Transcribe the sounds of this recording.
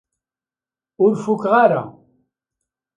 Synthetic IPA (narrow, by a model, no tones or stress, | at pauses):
ʊɾfʊkʁaɾa̰